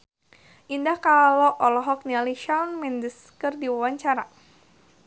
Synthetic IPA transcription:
ʔindahkalɔʔɔlɔɦɔk̚nialiʃalnmindəs | kɨrdiwawaɲt͡ʃaɾa

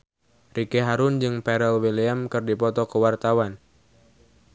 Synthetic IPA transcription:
rikeɦaɾʊnd͡ʒɨŋpɛɾɛlwiliamkɨrdipɔt̪ɔkəwart̪awan

